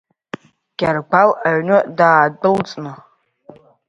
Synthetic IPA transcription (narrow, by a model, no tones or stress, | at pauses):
ɡ̥ʲarɡ͡bʷalaɥnɨdaːdɨlt͡sʼnɨ